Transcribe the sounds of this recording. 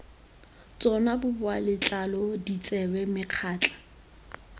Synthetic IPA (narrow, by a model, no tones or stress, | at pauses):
t͡sʼɔnabʊbʊalɪt͡ɬʼalɔdit͡sʼɛbɛmɪq͡χʰaːt͡ɬʼḁ